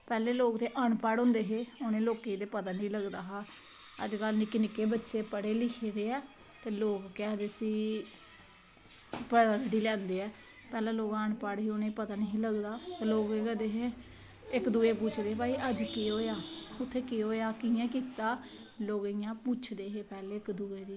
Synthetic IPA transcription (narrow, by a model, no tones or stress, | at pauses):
pɛːleːloːɡt̪eːʔaːɳpaːɽõːnd̪eːɦeːoːnẽːloːkeːd̪eːpət̪aːnĩːləɡd̪aːɦaː | ə̰d͡ʒkəlnɪːkɪnɪkeːbətːʃeːpəɽeːlɪkʰeːd̪eːɛː | t̪eːloːɡkɛːd̪esiː | pəɽaɾɽiːlɛ̃ːnd̪eːɛː | pɛːlãːloːɡaːɳpaɽɦiːoːnẽːpət̪aːnɦĩːləɡd̪aːt̪eloːɡeɡd̪eːɦe | ɪkd̪uːeːpuːt͡ʃʰd̪eːbaːiːʔəd͡ʒkeːɦoːjaːʊt̪ʰːeːkeːoːejaːkɪjɛ̃ːk̬iːt̪aː | loːɡijãːput͡ʃʰd̪eːɦeːpɛːleːɪkd̪uːeːd̪iː